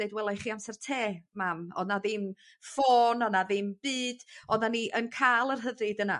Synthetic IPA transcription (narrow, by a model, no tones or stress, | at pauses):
eɨdwɛlˠajχiamsɛr̥tʰeːmamɔ̰dnaðɨm | foːnɔnaðɨmb̥ɨːd̥ɔdnaniʔənkʰalˠərɦədɨdəna